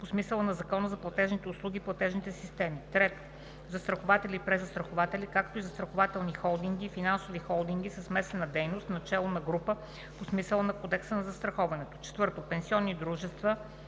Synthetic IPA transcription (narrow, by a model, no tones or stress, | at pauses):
posmisəlˠənɐzɐkɔnəzɐplˠɐt̪ɛʒnit̪ɛʊslˠuɡʲiplˠɐt̪ɛʒnit̪ɛsist̪ɛmit̪ɾɛt̪o̥ | zɐst̪ɾɐxovat̪ɛlipɾɛzɐst̪ɾɐxovat̪ɛlikakt̪oizɐst̪ɾɐxovat̪ɛlˠnixɔlˠd̪iŋɡ̟ifinansovixɔlˠd̪iŋɡ̟isəsmɛst̪ɛnəd̪ɛjnost̪nɐt͡ʃɛlˠonɐɡɾupə | posmisəlˠənɐkɔd̪ɛksənɐzɐst̪ɾɐxɔvɐnɛt̪o̥t͡ʃɛ̥t̪vɤɾt̪opɛnsiɔnːid̪ɾuʒɛst̪və